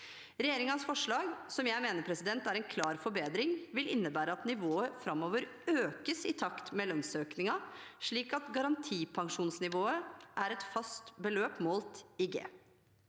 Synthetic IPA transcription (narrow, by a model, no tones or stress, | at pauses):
ɾɛjeːɾɪŋɑnsfɔʂɭɑːɡsɔmjæɪmeːnəɾpʰɾɛsɪd̪ɛnt̪æɾɛnkʰlɑːɾfɔɾbeːd̪ɾɪŋʋɪlɪnːəbæːɾəɑt̪nɪʋoːəfɾɑmoːʋəɾ | øːkəsɪt̪ʰɑkt̪meːlœnsøːknɪŋɑʂɭiːkɑt̪ɡɑɾɑnt̪ʰiːpʰɑŋʂuːnsnɪʋoːəʔæɾɛt̪fɑst̪bəløːpmɔlt̪ɪɡḛː